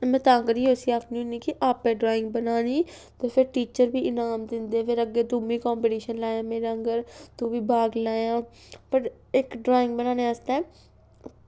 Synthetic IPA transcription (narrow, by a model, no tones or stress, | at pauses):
mɛ̃ːt̪aːŋɡəɾiːoːsiːaːkʰniũnĩːkɪʔaːpɛ̃ːɖɾaːɪ̃ŋɡbənaːniː | t̪eːpʰɪɾʈiːt͡ʃəɾbiːʔɪnaːmd̪ɪ̃nd̪eːpʰɪɾəɡːeːd̪umiːkɔːmpiːʈiːʃənlaːjãːmeːɾaːəŋɡəɾt̪ũːbiːbʱaːɡlaːjãːpəʈ | ɪkɖɾaːɪ̃ŋɡbənaːnẽːast̪ɛː